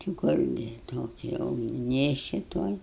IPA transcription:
tʲɪ ˈkʊrʲɡʲɪ ˈtoːkʲɪ ˈjɛʊ ɡʲɪ ˈnʲeːʃʲt͡ʃʲɪ ˈtuɔj

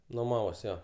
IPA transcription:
nʊˈmɑːʋoːs ˈjoː

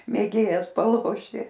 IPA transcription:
mʲeːˈɡʲeːjɛs pɐˈlˠoːʃʲtʲɪ

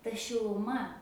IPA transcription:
tɐ ʃʲɪlˠʊˈmɐ

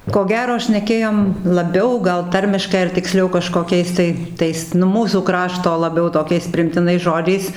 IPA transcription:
koː ˈɡʲæːroː ʃʲnʲɛˈkʲeːjoːm lˠɐˈbʲɛʊ ˈɡɐlˠ ˈtɐrʲmʲɪʃkɐɪ ɐr tʲɪkˈsʲlʲɛʊ kɐʃkoːˈkʲɛɪs tɐɪ ˈtɐɪs nʊ ˈmuːsuː ˈkrɑːʃtoː lˠɐˈbʲɛʊ toːˈkʲɛɪs pʲrʲɪɪmʲtʲɪˈnɐɪs ˈʒoːd͡ʒʲɛɪs

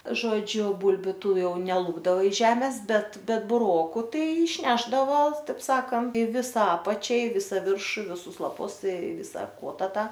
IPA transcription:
ˈʒoːd͡ʒʲʊ ˈbʊlʲbʲʊ ˈtuː ˈjɛʊ nʲɛˈlˠʊbdɐʋɐ ɪʃ ˈʒʲæːmʲeːs ˈbʲɛt ˈbʲɛt bʊˈroːkʊ ˈtɐɪ ɪʃʲˈnʲæːʒdɐʋoː ˈtɐɪp ˈsɑːkɐnt ˈʋʲɪsɐ ˈɑːpɐt͡ʃʲɛ ɪ ˈʋʲɪsɐ ˈʋʲɪrʃʊ ɪ ʋʲɪˈsʊs lˠɐˈpʊs ɪ ˈʋʲɪsɐ ˈkuɔtɐ ˈtɑː

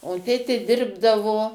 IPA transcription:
oː ˈtʲeːtʲeː ˈdʲɪrbdɐʋoː

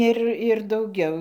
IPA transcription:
ˈɪr ɪr dɐʊˈɡʲɛʊ

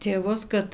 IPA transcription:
tʲeːˈʋʊs kɐt

